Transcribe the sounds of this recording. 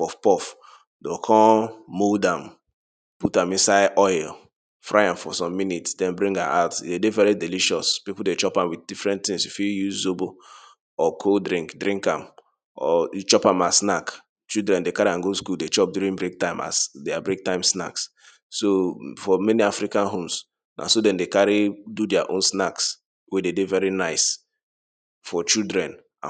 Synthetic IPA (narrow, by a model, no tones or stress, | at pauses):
pɔfpɔf | dɔkʰɔ̃modãm | putãmĩnsaɪʔɔjl | fɹʔaɪãmfɔ̰sɔ̃mːinitsdɛ̃nbɾĩŋɡã̰mʔa̰ʊtdedevɛɾidiliʃɔspipuldet͡ʃɔpãmwiddifɹɛ̃ntĩŋsifijuzzobo | ɔkʰodɾĩŋkdɾĩŋkãm | ɔ̰t͡ʃɔpãmasnak | t͡ʃidɾɛ̃ndekaɾiãnɡoskuldet͡ʃɔp̚djuɾĩŋbɹek̚tãɪ̃ma̰sdabɹek̚tãɪ̃msna̰ks | sofɔmɛniafɾikãnɦõms | na̰sodɛ̃ndekaɹidudɛaʔõnsnaks | wededevɛɾinaɪs | fɔt͡ʃildɹɛ̃n | a̰